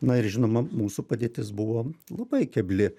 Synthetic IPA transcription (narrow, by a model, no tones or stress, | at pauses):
nɐɪɾʒʲɪnoːmɐmuːsupɐd̪ʲeːt̪ʲɪsbʊʋoːlˠɐbɐɪkʲɛbʲlʲɪ